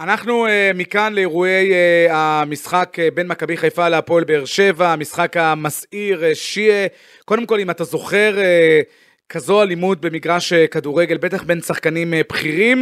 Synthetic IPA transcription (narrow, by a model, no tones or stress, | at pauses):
anaχnuemikanleeʁue̞jamisχakbe̞nmakabiχajfaleapo̞lbe̞eːʁʃe̞vaːmisχakamasiʁʃie | ko̞d̪emko̞limat̪azo̞χe̞ʁe | kazo̞alimud̪̚be̞miɡʁaʃekaduʁe̞ɡe̞lbe̞t̪aχbe̞nsaχkanimpχiʁim